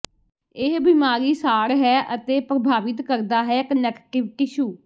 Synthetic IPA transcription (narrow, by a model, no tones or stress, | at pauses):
ɪɦbɪmaːɾiːsaːɾɦɛːʔət̪eːpɾəbʱaːʋɪt̪kəɾd̪aːɦɛːɪkənɛːkʈɪʋʈiʃuː